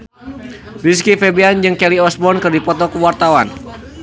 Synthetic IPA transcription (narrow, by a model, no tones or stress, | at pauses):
riskifɛbɛand͡ʒɨŋkɛliɔsbɔnkɨrdipɔt̪ɔkuwart̪awan